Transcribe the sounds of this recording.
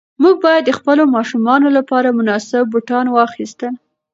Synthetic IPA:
muɡ̚bɑjad̪ːəxpəlomɑʃumɑnolapɑɾamʊnɑsɪbːuʈɑnwɑxist̪əl

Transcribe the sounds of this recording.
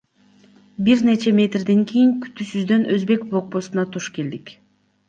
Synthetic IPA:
biɾnet͡ʃemʲe̞t̪rd̪e̞ŋkʰijiŋky̥t̪ysyzd̪ø̞nʔøzbe̞k̚blˠo̞k̚bo̞sunɑt̪ʰuʃke̞ld̪ik

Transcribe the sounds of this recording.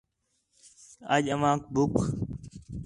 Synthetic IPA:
əʄəʋãːk̚bʊkʰ

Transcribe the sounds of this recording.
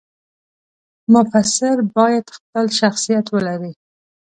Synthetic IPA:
mʊfasɪɾbɑjad̪xpəlʃaxsijat̪wəlaɾi

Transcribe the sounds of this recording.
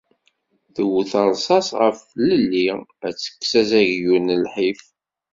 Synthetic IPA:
θəwθəɾˤsˤɑsʁəfləlːiæt͡sːə̥kːsæzæʝjunəlħif

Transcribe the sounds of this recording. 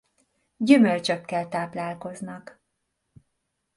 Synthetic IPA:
ɟymølt͡ʃøkːɛlt̪aːplaːlko̞znɒk

